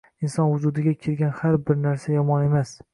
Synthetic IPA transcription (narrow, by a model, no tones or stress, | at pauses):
ɪnsɒnhʊd͡ʒud̪ɪɡʲakʲʰeɾɡʲanhaɾbɪɾnaɾsajɒmɒne̞mas